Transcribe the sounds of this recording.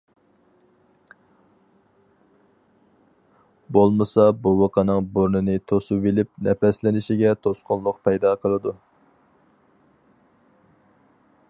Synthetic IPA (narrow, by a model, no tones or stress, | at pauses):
bolˠmɨsɑbuwɑqʰɑnɨŋboɾnɨnɨt̪ʰosuvelɪp̚nʔɛpɛslɪnɪʃiɡʲɛt̪ʰosqʊnlˠʊq̚pʰɛjd̪ɑqʰəlˠɨd̪u